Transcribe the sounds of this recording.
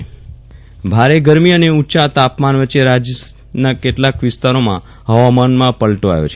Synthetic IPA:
bʱaɾeɡəɾmiəneutːʃat̪apmanʋəːt͡ʃːeɾad͡ʒ | nakeʈlakʋɪst̪aɾomã̰ | ɦəʋamanmãpəɭʈoa̰jo̰t͡ʃʰe

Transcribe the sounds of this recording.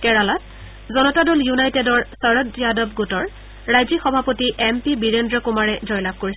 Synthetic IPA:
kɛɹalat̚ | zɔnɔtadoljunajtedɔɹsaɹɔdijadɔbɡutɔɹ | ɹajzixɔbʱapotiʔɛmpibiɹendɹɔkumaɹɛzɔjlab̚koɹisɛ

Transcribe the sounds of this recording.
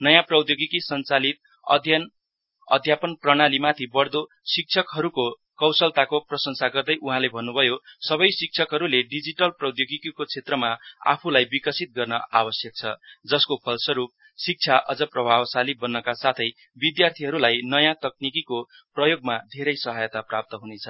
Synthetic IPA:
nʌjãprʌwd̪joɡikisʌnt͡salit̪̚ | ʌ̰d̪ʱjʌn | ʌ̰d̪ʱjapʌnprʌɽ̃alimat̪ʰibʌɽd̪o | sik̚t͡sʰʌkɦʌɾuko | kʌwsʌlt̪akoprʌsʌŋsaɡʌrd̪ʌjʔuɦãlebʱʌnːubʱʌjosʌbʌjsik̚t͡sʰʌkɦʌɾuleɖid͡ziʈʌlprʌwd̪joɡikikot͡sʰet̪rʌmaa̰pʰulajbikʌsit̪̚ɡʌrnʌabʌsjʌk̚t͡sʰʌd͡zʌskopʰʌlsʌɾup̚ | sik̚t͡sʰjaʔʌd͡zʌprʌbʱawsalibʌnːʌkasat̪ʰʌj | bid̪jart̪ʰiɦʌɾulajnʌjãt̪ʌk̚nikiko | prʌjoɡmad̪ʱeɾʌjsʌɦajʌt̪aprap̚t̪ʌɦunet͡sʰʌ

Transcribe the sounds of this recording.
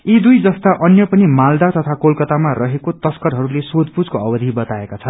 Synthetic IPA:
id̪ujd͡zʌst̪aʔʌnjʌpʌnimald̪at̪ʌt̪ʰakolkʌt̪amarʌɦekot̪ʌskʌɾɦʌɾulesod̪̚ʱpud͡zkoʌbʌd̪ʱibʌt̪aekat͡sʰʌn

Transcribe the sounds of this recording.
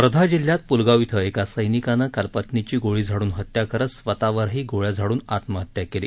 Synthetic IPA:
pɾəd̪ʱad͡ʑiljat̪̚pulɡaʋit̪ʰəekasəjnikanəkalpət̪nit͡ɕiːɡoɭiːd͡zʱaɽuːnɦət̪jakəɾəsʋət̪aʋəɾɦiːɡoɭjad͡zʱaɽuːnat̪məɦət̪ːjakelḭː

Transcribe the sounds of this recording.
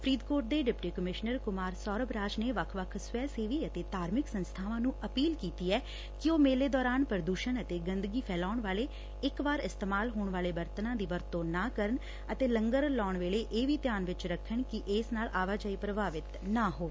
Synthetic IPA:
pʰɾiːd̪koːʈ̚d̪eːɖɪpʈiːkəmɪʃnəɾkʊmaːɾsɔːɾəbɾaːd͡ʒneːʋəkʰʋəkʰsʊɛːseːʋiːət̪eːt̪aːɾmɪksənst̪ʰaːʋãːnũːʔəpiːlkiːt̪iːɛː | kɪoːmeːleːd̪ɔːɾaːnpəɾəd̪uːʃənət̪eːɡənd̪əɡiːpʰɛːlaːʊɳʋaːleː | ɪkʋaːɾɪst̪eːmaːlɦoːɳʋaːleːbəɾt̪ənãːd̪iːʋəɾt̪õːnaːkəɾəɳ | ət̪eːlə̃ŋɡəɾlɔːɳʋeːleːʔeːʋiːt̪jaːnʋɪt͡ʃɾəkʰːəɳkɪʔeːsnaːlaːʋaːd͡ʒaːiːpɾəbaːʋɪt̪naːɦoː

